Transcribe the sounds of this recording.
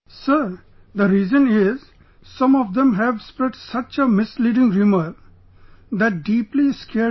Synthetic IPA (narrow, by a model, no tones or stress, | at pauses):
sə | d̪əɾiːzə̃nɪz̥ | sʌ̃mɔʋd̪ẽmɦɛʋspɾɛɖsʌt͡ʃəmɪsliːɖɪ̃ŋɾɪməʋ | d̪æʈ̚ɖiːpliskʰe